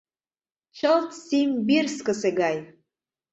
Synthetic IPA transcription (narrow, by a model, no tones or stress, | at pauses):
t͡ʃʰəlt̪ʰsimbirskəseɡaj